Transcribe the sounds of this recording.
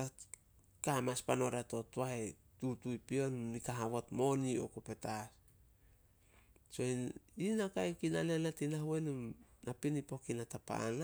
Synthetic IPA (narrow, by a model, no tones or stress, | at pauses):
a | kamaspano̞ɾato̞tuae | tutujpio̞nunikaɦaβotmo̞nio̞̰kope̞tas | so̞iinakajkinaleanatinahuenumnapinipo̞kinatapa̰ːna